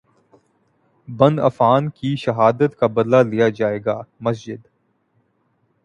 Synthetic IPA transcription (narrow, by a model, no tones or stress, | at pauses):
bɐ̃nd̪ɐ̰faːnkiʃɐɦaːd̪ət̪kabɐd̪lalijad͡ʒaːeːɡaːmɐs̬d͡ʒɪd̪